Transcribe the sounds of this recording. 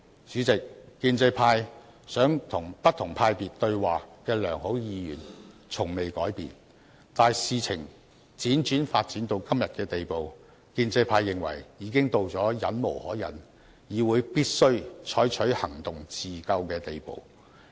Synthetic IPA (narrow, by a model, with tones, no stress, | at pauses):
syː˨˥t͡sɪ˨k̚ːiː˧nt͡se˧jpʰaː˧j | sœː˨˥ŋt̪ʰʊ˨˩ŋpɐ˥t̚t̪ʰʊ˨˩ŋpʰaː˧jpiː˨t̚t̪ɵ˧ɥwaː˨kɛː˧lœː˨˩ŋho˨˥wjiː˧jy̰ː˨˩nt͡sʰʊ˨˩ŋme˨jkɔː˨˥jpḭː˨n | t̪aː˨˧jsiː˨˧t͡sʰɪ˨˩ŋ | t͡siː˨˥nt͡ʃyː˨˥nfaː˧t̚t͡siː˨˥nt̪o˧wkɐ˥mjɐ˨t̚kɛː˧t̪e˨jpo˨w | kiː˧nt͡se˧jpʰaː˧jːɪ˨ŋwɐ̰˨˩jjiː˨˧˥kɪ˥ŋt̪o˧wt͡sɔː˨˥jɐ˨˥nmo˨˩whɔː˨˥jɐ̰˨˥n | jiː˨˧wuː˨˧jpiː˥t̚sɵ˥ɥt͡ʃʰɔː˨˥jt͡ʃʰɵ˨˥ɥhɐ˨˩ŋt̪ʊ˨ŋt͡siː˨kɐ˧wkɛː˧t̪e˨jpo̰˨w